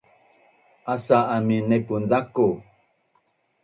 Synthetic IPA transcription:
ʔasaaminepundaku

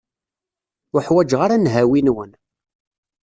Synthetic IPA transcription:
ʊħwæd͡ʒʁaɾanɦæwinwən

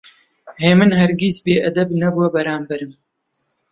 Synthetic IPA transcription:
heːmɨnhɐɾɡizbeːʔɐd̪ɐbnɐbuwɐbɐɾaːmbɐɾɨm

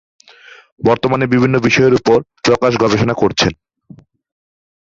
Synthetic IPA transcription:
bɔɾt̪omanebibʱinːobiʃɔeɾupoɾpɾɔkaʃɡɔbʱeʃonakoɾt͡ɕʰen

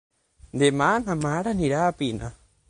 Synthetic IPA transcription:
nd̪eman̥ãmaɾanĩɾapina

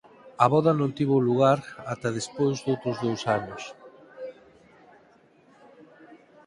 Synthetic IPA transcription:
ɐβɔðɐnõnt̪iβoluɣ̞aɾat̪ɐð̞espojzðowt̪ɾʊzðowsanʊs

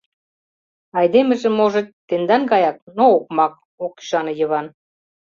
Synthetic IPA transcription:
ɑjd̪emĕʒĕmoʒĕtt̪ːend̪ɑnɡɑjɑk̚nook̚mɑk̚ | oki̥ʃɑnɤ̆jə̆βɑn

